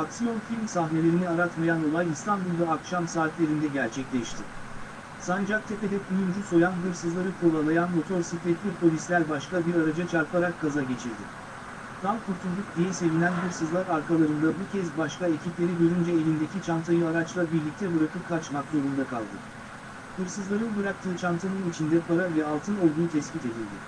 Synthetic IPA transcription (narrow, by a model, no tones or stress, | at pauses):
aksijo̞nfilʲmsahne̞lʲe̞ɾiniaɾat̪majano̞lˠajist̪ʰanbulˠd̪aːkʃamsaːt̪lʲe̞ɾind̪ɛɟæɾt͡ʃʰɛclʲɛʃt̪ʰɪ | sand͡ʒak̚t̪ʰepe̞d̪ɛkʰujund͡ʒuso̞janɡɯɾsɯzlˠaɾɯkʰo̞lˠalˠajanmo̞t̪ʰo̞ɾsit̪ʰɛt̪lʲiɾpʰo̞lʲislʲæɾbaʃkabiɾaɾad͡ʒat͡ʃʰaɾpʰaɾakːazaɟe̞t͡ʃʰiɾd̪ɪ̰ | t̪ɾamkʰuɾt̪ʰulˠd̪uk̚d̪ijɛse̞vinʲænbɯɾsɯzlˠaɾaɾkʰalˠaɾɯnd̪abucʰɛzbaʃkae̞cʰiplʲe̞ɾiɟøɾynd͡ʒɛelʲind̪e̞cʰit͡ʃʰamt̪ʰajɯaɾat͡ʃlˠabiɾlʲic̚t̪ʰɛbɯɾakɯp̚kʰat͡ʃmakzoɾumd̪akʰa̰lˠd̪ɯ̰ | hɯɾsɯzlˠaɾɯnbɯɾak̚t̪ʰɯːt͡ʃʰamt̪ʰanɯnit͡ʃʰind̪ɛpʰaɾavɛalˠt̪ʰɯno̞lˠd̪uːt̪ʰɛsbit̪e̞d̪ilʲd̪ɪ